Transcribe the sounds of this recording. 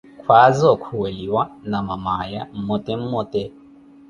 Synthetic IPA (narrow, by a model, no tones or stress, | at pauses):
kʰwazɔkʰuweliwanamamajam̩mɔtʼɛm̩mɔtʼɛ